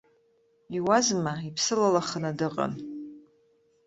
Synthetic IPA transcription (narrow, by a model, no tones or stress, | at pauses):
iwazmaipʰsɨlalaχənadɨqʼa̰n